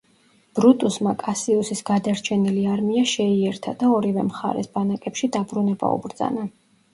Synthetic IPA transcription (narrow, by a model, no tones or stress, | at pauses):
b̥ɾut̪ʼusmakʼasiusisɡad̪aɾt͡ʃʰɛniliaɾmiaʃɛiɛɾt̪ʰad̪̥aɔɾivɛmχa̰ɾɛ̰sb̥anakʼɛpʃid̪abɾunɛba̰ṵbɾd̪za̰na